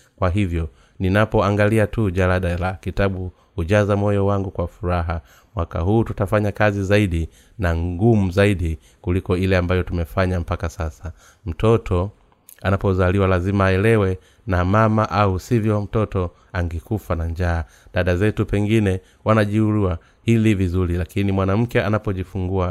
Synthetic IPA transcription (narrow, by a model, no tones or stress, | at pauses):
kwaɦivjɔ | ninapɔaŋɡaliatuʄalaɗalakitaɓu | huʄazamɔjɔwaŋɡukwafuɾaɦa | mwaka̰ɦuːtutafaɲakazizaiɗi | naŋɡumuzaiɗi | kulikɔilɛambajɔtumɛfaɲam̩pakasasa | m̩tɔtɔ | anapɔzaliwalazimaːɛlɛwɛ | namamaʔausivjɔwam̩tɔtɔ | aŋɡɛkufanaɲd͡ʒaː | ɗaɗazɛtupɛŋɡinɛ | wanaʄiuɾuwa | hilivizuɾilakinimwanam̩kɛanapɔʄifuŋɡua